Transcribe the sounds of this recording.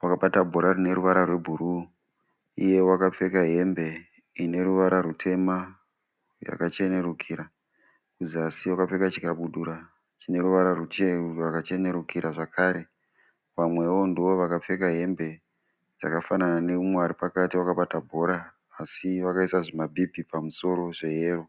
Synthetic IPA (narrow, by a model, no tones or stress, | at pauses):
wakaɓatabʱo̞ɾarine̞ɾuʋaɾarwe̞bʱuɾu | ije̞wakap͡fe̞kaɦe̞mbe̞ | ineɾuʋaɾʔaɾutʰe̞ma | ja̰kat͡ʃe̞ne̞ɾukʰiːɾa | kuziasiwakap͡fe̞kat͡ʃi̥kaɓuɗuɾa | t͡ʃine̞ɾuʋaɾarut͡ʃerurakat͡ʃe̞ne̞ɾukʰiɾaʐakʰaɾe̞ | ʋamwe̞wo̞ndiʋo̞ʋakap͡fe̞kaɦe̞mbe̞ | d͡ʒakafanananeumweaɾipakatiwakaɓatabʱo̞ɾaː | siʋakaisaʐimabʱibʱipamuso̞ɾo̞ʐe̞ɦeːro